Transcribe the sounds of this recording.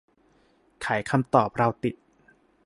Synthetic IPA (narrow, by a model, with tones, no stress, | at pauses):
kʰaː˩˦jkʰa˧mt̪ɔː˨˩p̚ɾa˧wt̪i˨˩t̪̚